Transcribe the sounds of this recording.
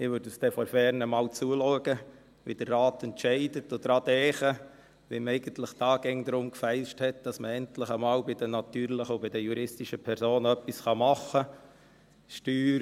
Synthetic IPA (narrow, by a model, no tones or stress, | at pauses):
ɪʋøɾdəsd̥ɛfɔɾfɛɾnəmɑːwt͡suəluəɡə | ʋid̥ərːɑːtɛntʃɛɪdətod̥̪ɾɑdɛːχə | ʋimɛɪɡ̥əntləχd̥ɑːɡ̥ɛŋd̪ɾʊmkfɛɪlʃthɛt̚d̥ɑsməɛntləχəmɑːlbɪd̥ənɑt̪yːɾləχəobɪdəjuɾɪstiʃəpʰɛɾsoːnœpːisχɑmɑχːə | ʃtyːɾ